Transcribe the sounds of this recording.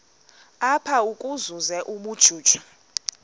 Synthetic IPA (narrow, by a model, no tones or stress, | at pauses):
apʰaukʼuzuzɛʔuɓud̥ʒ̥ʱuːd̥ʒ̥ʱɔ̥